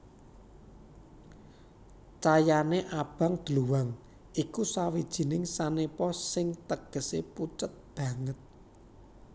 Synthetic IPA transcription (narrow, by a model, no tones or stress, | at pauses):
t͡ʃajaneʔab̥a̤ŋd̪̥luwaŋ | ikusawid̥ʒ̥i̤nɪŋsanepɔsɪŋt̪əɡ̥ə̤seput͡ʃət̪̚b̥ä̤ŋət̪̚